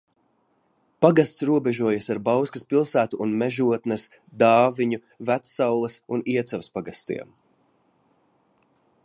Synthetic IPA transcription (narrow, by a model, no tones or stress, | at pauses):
paɡast̪sɾuɔbɛʒuɔjasaɾbawskɐspilˠsæːt̪uʔːnmɛʒuɔt̪nɐs | d̪ɑːviɲu | væt̪sːawlˠɐsuniɛt̪sɛvspaɡast̪ḭɛm